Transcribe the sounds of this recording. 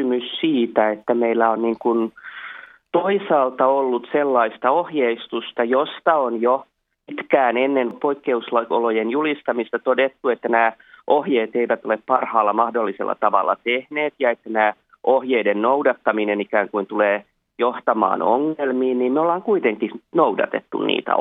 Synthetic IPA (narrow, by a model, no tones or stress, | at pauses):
ymyssiːt̪æet̪ːæmeilːæonniːŋkun | t̪oisɑːlt̪ɑolːut̪selːɑist̪ɑohjeist̪ust̪ɑjost̪ɑonjo | pit̪kæːnenːenpoikːeuslɑo̰lojenjulist̪ɑmist̪ɑt̪odet̪ːuet̪ːænæː | ʔohjeːt̪eiʋæt̪oleppɑrhɑːlːɑmɑhdolːisḛlːɑ̰t̪ɑʋɑ̰lːɑ̰t̪ehneːt̪jɑet̪ːænæː | ʔohjeidennoudɑt̪ːɑminenikæːŋkuint̪uleː | joht̪ɑmɑ̰ːno̰ŋːelmiːnniːmmeolːɑːŋkuit̪eŋkihnoudɑ̰t̪ḛt̪ːṵnnḭːt̪æ̰